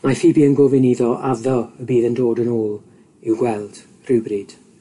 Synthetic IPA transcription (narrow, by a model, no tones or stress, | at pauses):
mafibiənɡɔvɪniðɔʔaðɔəbiːðəndoːdənoːlˠ | ɪwɡwɛlˠd̥ | r̥ɪwbrid̥